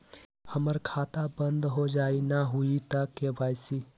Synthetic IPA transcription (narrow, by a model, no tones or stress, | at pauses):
həməɾkʰat̪abənd̪ɦod͡ʒainaɦuit̪akːebajsi